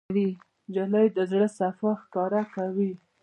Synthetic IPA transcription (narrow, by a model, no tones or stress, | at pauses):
wi | d͡ʒaləjd̪əzɽəsafaxkɑɾakawi